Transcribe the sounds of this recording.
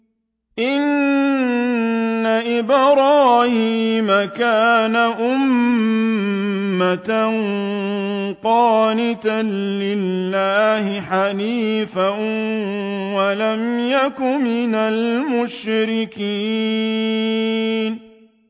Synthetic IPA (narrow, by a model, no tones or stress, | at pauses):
ʔɪn | aʔɪbɾɑːhiːmakaːnaʔʊm | at̪a | qɑːnɪt̪anlɪlːaːhɪħaliːfa | walamjakʊmɪnalmʊʃɾɪkiː | n